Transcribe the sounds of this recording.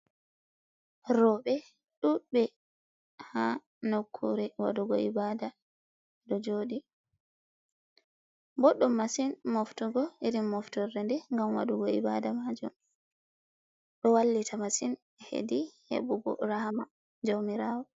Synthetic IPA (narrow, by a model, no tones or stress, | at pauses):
ɾɔɓɛ | ɗubɛ | ha | nokʰːṵɾɛwa̰ɗuɡɔibada | dɔd͡ʒoːɗi | bɔɗːɔmːasinmoftuɡɔiɾimːɔftɔɾɛndɛŋɡamwa̰ɗuɡɔibadamad͡ʒṵm | ɗɔwalːitʰamasin | hḛdihḛbuɡɔ̰ɾahama | d͡ʒowmiɾaːwɔ